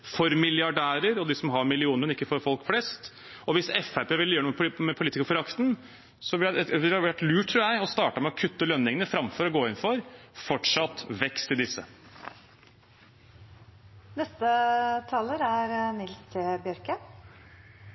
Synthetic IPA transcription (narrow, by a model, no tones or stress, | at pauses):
fɔɾmɪljɑɖæːɾəɾɔd̪ɪsɔmɦɑɾmɪlɪuːnəɾɔmɪkːəfɔɾfɔlkflɛst̪ | ɔʋɪsɛfæɾpeːʋɪljøːɳəmɛpmɛpʰʊliːt̪ɪkəɾfɔɾɑkt̪n | sɔʋɪlæʋɪlʋæʈlʉːʈʰːɾuːjæɪɔst̪ɑːʈəmɛɔkʰʉt̪ːəlœnːɪŋənəfɾɑmfɔɾɔɡoːɪnfɔɾfɔʈʂɑt̪ːʋɛkst̪ɪd̪ɪsːə̰ | nɛst̪ət̪ʰɑːləɾæɾnɪlst̪ʰeːbjœɾkə